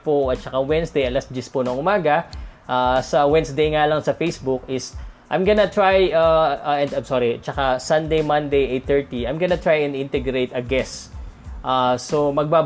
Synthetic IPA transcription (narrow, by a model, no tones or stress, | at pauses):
poɐt̪̚t͡ʃɐkawɛnsd̪ejɐlɐsd͡ʒɪsponɐŋʔʊmaːɡɐʔasɐwɛnsd̪ejŋalɐŋsɐfejsbʊk̚ɪsʔɐ̰jmɡɐnɐt̪ɹajaʔɛnd̪ajmsɔːɾit͡ʃɐkasɐnd̪ejmɐ̃nd̪ejʔejt̪ɛɹt̪iɐjmɡɐnɐt̪ɹajɛ̃nd̪ɪ̃nt̪ɛɡɾejt̪ɐɡɛsʔasomɐɡ̚baː